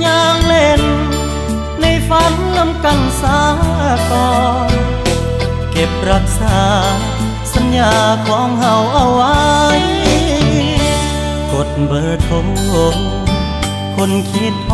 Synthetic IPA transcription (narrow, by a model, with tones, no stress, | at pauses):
ɲaː˧ŋle˧˩n | a˧˩jfa˧˥n | na˧˥mka˧˩nsaː˧˦˧kɔː˧n | ke˧˩p̚ɾa˧˥k̚saː˨˩˦ | sa˧˦njaː˧kʰɔː˨˥ŋɦa˧˩wʔa˧˩wːa˧j | ko˨˩t̪̚bɤː˧˩t̪ʰo˧˦ | lo˧ŋ | kʰo˧˥nkʰi˦˥t̪̚p